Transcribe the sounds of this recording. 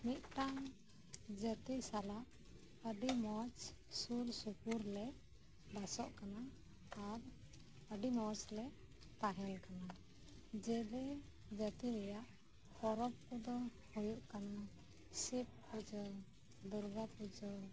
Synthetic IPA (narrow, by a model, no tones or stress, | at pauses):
mit̪̚ʈaŋ | d͡ʒət̪isalaʔ | əɖimɔt͡ʃ | sulsukuɾlɛ | b̪asɔʔkanaː | ɾ | əɖimɔt͡ʃlɛ | t̪aɦɛnkana | d͡ʒɛlɛ | d͡ʒət̪iɾɛjaʔ | hɔɾɔp̚kud̪ɔ | hujuʔkana | sip̚pud͡ʒɔ | d̪uɾɡapud͡ʒɔ